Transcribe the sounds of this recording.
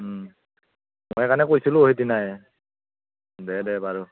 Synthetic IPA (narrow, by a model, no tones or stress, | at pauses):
mojɛkanɛkojsilʊ̃ɦitinaj | dɛdɛbaɹu